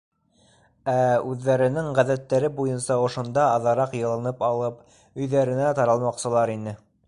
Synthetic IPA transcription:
æʉðːæɾɘ̆nɘŋʁæðæt̪ːæɾɘbujɤnsɑŏʃŏnd̪ɑːðɑɾɑqjɤ̆lˠɤ̆nɤpɑlˠɤp | ɵ̆jðæɾɘ̆næt̪ɑɾɑlˠmɑqsɤ̆lˠɑɾinɘ

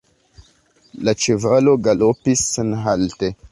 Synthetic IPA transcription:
lat͡ʃevaloɡalopisːenɦalte

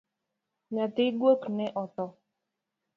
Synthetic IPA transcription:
ɲat̪ɪɡwoknɛʔɔt̪ɔ

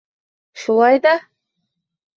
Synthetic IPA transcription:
ʃulˠɑjd̪ɑ

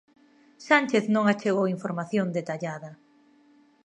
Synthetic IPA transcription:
sanʲt͡ʃeθnõŋat͡ʃeɣowiɱfoɾmaθjõnd̪et̪aʎaðɐ

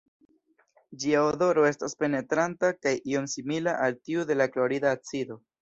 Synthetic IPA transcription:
d͡ʒiaodo̞ɾo̞e̞staspe̞ne̞tɾantakajʔio̞msimilaʔaltiude̞lakloɾidaːt͡sido̞

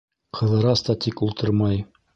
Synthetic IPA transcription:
qʰɤ̆ðɤ̆ɾɑst̪ɑt̪ʰikulˠt̪ɤɾmɑj

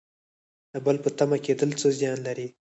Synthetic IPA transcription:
d̪əbəlpət̪amaked̪əlt͡səzjɑnlaɾi

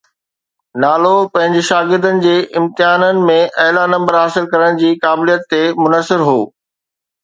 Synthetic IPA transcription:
naːlopɐ̃ɦɪ̃ɲd͡ʑɪʃaːɡɪɾd̪ənɪ̆d͡ʑeːʔɪ̃mt̪ɪɦaːnənɪ̆mẽʔɐɦlanɐ̃mbəɾɦaːsɪlkɐɾəɽ̃d͡ʑiːkaːblijət̪ːemʊnəsɪɾɦoː

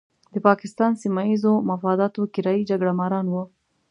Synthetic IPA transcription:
d̪̥əpɑkɪst̪ɑnsimaizomafɑd̪ɑt̪okɪɾɑjid͡ʒaɡɽamɑɾɑnwu

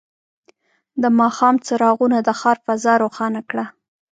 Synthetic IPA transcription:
d̪əmɑxɑmt͡saɾɑɣunad̪əxɑɾfazɑɾoxɑnakɽa

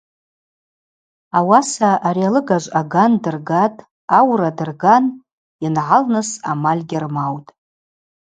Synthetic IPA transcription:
awasaːɾialɨɡaʒʷʼaɡandɨrɡatʼ | awradɨrɡan | inʕalnɨsamalʲɡʲɪrmawtʼ

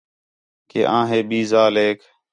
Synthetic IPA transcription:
kḛːʔãːɦeːbiːzaːleːk

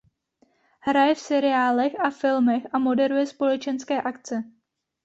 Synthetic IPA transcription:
ɦɾajɛfsɛɾɪaːlɛxʔafɪlmɛxʔamo̞dɛɾujɛspo̞lɛt͡ʃɛnskɛːʔakt͡sɛ

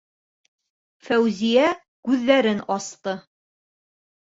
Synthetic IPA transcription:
fæwzijæ | kʉðːæɾɘnɑst̪ɤ

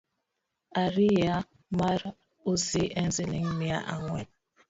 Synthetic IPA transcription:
aɾija | maɾa | oziʔen̩ziliŋ̩mia̰ʔa̰ŋʷwɛ̰

